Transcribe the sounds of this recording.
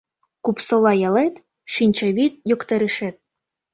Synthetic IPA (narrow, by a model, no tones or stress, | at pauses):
kupsɤ̆lɑjɑlet̪ | ʃinʲt͡ɕĕβit̪̚jokt̪ɤ̆ɾɘʃet̪̚